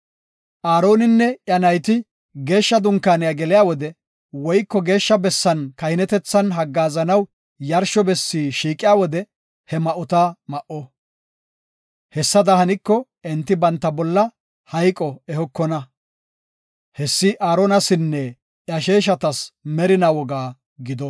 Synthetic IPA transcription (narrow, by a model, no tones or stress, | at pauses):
ʔaːɾo̞ːnɪnːɛʔjɐnɐjt̪ɪ | ɡe̞ːʃːɐd̪ʊŋkːaːnɪjaɡɛlɪjaːwɔd̪ɛ | wɔjkːɔɡe̞ːʃːɐbɛsːɐnkɐjɪnɛt̪ɛt͡sːɐnɦɐɡːaːzɐnɐw | jɐɾʃɔbɛsːiːʃiːkʼːɪjaːwɔd̪ɛ | hɛmɐʔʊt̪amɐʔɔ | hɛsːɐd̪ɐhɐnɪkːɔ | ɛnt̪ːɪbɐnt̪ːɐbɔlːɐ | hɐjkʼɔɛhɔkːɔnɐ | hɛsːɪʔaːɾɔnɐsɪnːɛ | ʔjɐʃeːʃ̬ɐt̪ɐsmɛɾɪnawɔɡaː | ɡɪd̪ɔ